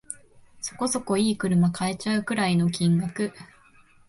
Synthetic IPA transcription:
so̞̥ko̞so̞ko̞iːkɯ̟ɾɯ̟makʰaet͡ɕaɯ̟kɯ̟ɾaino̞kʲĩŋɡakɯ̟

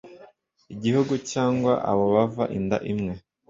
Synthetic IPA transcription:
iɟihuɡucaːŋɡwa̰ʔa̰βo̞βava̰ʔinda̰ʔimŋe̞

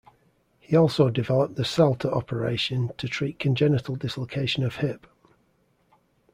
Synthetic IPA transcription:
hiɔˑlˠsoʊdɪvɛləp̚ðəsɛlˠtʰəʔɒpʰəɹḛɪʃə̃ntʰətʰɹ̥iˑʔkʰə̃nd͡ʒɛnɪtəlˠdɪslokʰeɪʃə̃nəv̥hɪp

